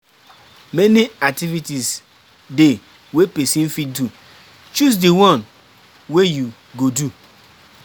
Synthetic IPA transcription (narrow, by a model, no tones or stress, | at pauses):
meniak̚tivitis | de | wepesĩn̩fidu | t͡ʃus̬diwɔ̃n | weju | ɡodu